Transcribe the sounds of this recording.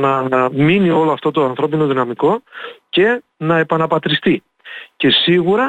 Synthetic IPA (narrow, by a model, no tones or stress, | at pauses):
nɐminio̞loɐft̪o̞t̪o̞ɐnθɾo̞pino̞ðinɐmiko̞ce̞nɐe̞pɐnɐpɐt̪ɾist̪i | ce̞siɣuɾɐ